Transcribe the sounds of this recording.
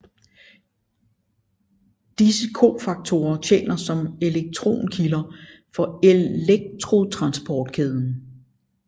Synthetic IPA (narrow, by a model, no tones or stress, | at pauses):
d̥isəkʰo̝̰ːfɑ̈ɡ̥̚t͡sʰo̝ːɐt͡ɕʰḛːnɐsɒ̽me̝leɡ̥̚t͡sʰʁo̝̰ːnkʰilɐ | fɒ̽eeɡ̥̚t͡sʰʁo̝t͡sʰʁɑ̈nsb̥ʰɒːd̥kʰeð̞ˠn̩